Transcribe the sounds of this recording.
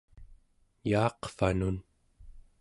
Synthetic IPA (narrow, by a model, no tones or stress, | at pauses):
jɑːqfanun